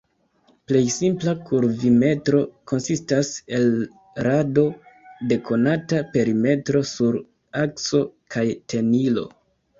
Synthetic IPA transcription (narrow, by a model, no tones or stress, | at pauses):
ple̞jsimplakʰuɾvime̞tɾo̞kʰo̞nsistase̞l | ɾado̞ | de̞kʰo̞natape̞ɾime̞tɾo̞suɾ | akso̞kʰajtʰe̞nilo̞̰